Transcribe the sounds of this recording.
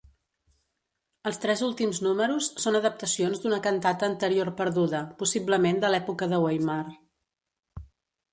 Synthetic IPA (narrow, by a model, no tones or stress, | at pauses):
əlˠst̪ɾɛzulˠt̪imznuməɾusːonəðəp̚t̪əsionzd̪unəkənt̪at̪əːnt̪əɾiorpəɾðuðəpusibləmend̪əlɛpukəðəwejmar